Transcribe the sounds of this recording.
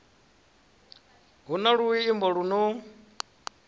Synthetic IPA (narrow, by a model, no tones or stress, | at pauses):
ɦunaɺuwiːmbɔɺunu